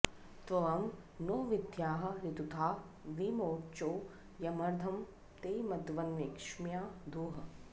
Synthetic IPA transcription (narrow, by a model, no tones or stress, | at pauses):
t̪ʋɐʋɐm | noːʋid̪ʱjaːɦɐ̆ɾit̪ut̪ʰaː | ʋimoːt͡ʃoː | jɐmɐɾd̪ʱɐm | t̪eːmɐd̪ʋɐnʋekʂmjaːd̪ʱuːɦɐ